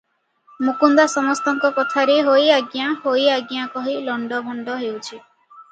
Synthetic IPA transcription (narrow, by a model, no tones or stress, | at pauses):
mukund̪asɔmɔst̪ɔŋkɔkɔt̪ʰaɾeɦojaɡjahojaɡjakɔɦilɔɳɖɔbʱɔɳɖɔɦewt͡ʃʰi